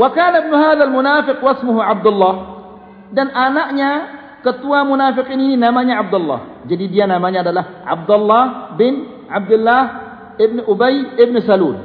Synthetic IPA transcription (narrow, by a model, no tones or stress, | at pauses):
wakaːnabnʊhaːðalmʊnaːfɪqwasmʊɦʕab̚d̪ʊlːaːh | danʔanaʔɲa | kat̪ːuwamʊnaːfɪqiːnininamaɲaʕab̚d̪alˤːa̰ː | d͡ʒadiːdijanamaɲadalaʕa̰b̚d̪alˤːaːbɪn | ʕab̚d̪ɪlːaːh | ɪbnʔʊbajɪbnʊsaluːl